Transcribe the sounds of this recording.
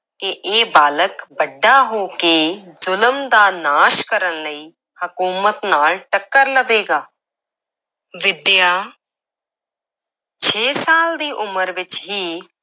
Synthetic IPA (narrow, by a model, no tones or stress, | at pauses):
keʔeːbaːləkbəɖːaɦoːkeːzʊləmd̪aːnaːʃkəɾənləiː | hɐkuːmət̪naːlʈəkːəɾləʋeːɡaː | ʋɪd̪jaː | t͡ʃʰeːsaːld̪iːʔʊməɾʋɪt͡ʃɦiː